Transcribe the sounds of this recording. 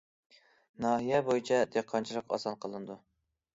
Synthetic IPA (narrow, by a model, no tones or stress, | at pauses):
nɑːɦijɛbojit͡ʃʰɛd̪eqʰːɑnt͡ʃʰilˠəqɑ̰sɑnqʰəlˠɨnɨd̪u